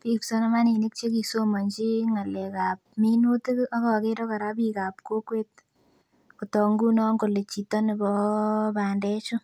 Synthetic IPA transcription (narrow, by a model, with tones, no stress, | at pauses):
pi˦pso˦na˦ma˦ni˨ni˦k̚t͡ʃe˦ki˨so˦mɔ˨ɲt͡ʃi˦ŋa˨lɛ˨ka˨p̚mi˦nu˦tɪ˦ka˦kɔ˨ke˦ɾɔ˦ka˨ɾa˦bika˨p̚ko˦kwe˦t̚ | ku˨tɔ˨ŋɡu˦nɔ˦ŋɡo˨le˨t͡ʃi˨tɔ˦nɪ˨bɔ˦baː˨ndɛ˦t͡ʃʊ˦